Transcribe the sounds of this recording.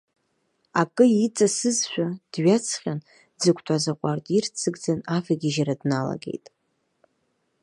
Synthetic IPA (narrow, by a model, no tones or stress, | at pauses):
akʼɨit͡sʼasɨzʃʷᶣad̥ɥat͡sʰχʲan | d͡zɨkʷʰtʷʰʼazaqʷʼartʼirt͡sʰɨɡd͡zanafaɡʲiʒaɾadnala̰ɡe̞̰jtʼ